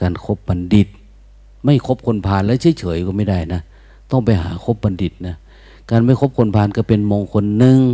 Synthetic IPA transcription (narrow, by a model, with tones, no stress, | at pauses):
kaː˨nkʰo˧˥p̚ba˨ndi˨˧˩t̪̚ | ma˧˥˩jkʰo˦˥p̚kʰo˧˥npʰaː˧˥nlɛː˧˥˩sʰɤː˧˨jt͡ɕʰɤː˨˦jkɔː˧˦ma˧˥˩jda˧˩jna˧˥ | t̪ɔ˧˩ŋpa˨˩jɦa̰ː˨˦kʰo˧˥p̚ba˨ndi˨˩t̪̚na˧˩ | kaː˨nma˥˩˨jkʰo˧˥p̚kʰo˧˥npʰaː˧˥˨nka˧˩pe˨nmɔː˧ŋkʰo˧nːɯ˧ŋ